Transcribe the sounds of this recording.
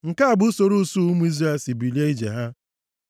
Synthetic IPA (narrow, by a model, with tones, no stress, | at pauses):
ŋ̩˨ka˦a˨bʊ˦so˨ɾu˦su˦mu˦i˦zɾa˦e˨si˨bi˨li˦e˦i˦d͡ʒḛ˨ɦa˦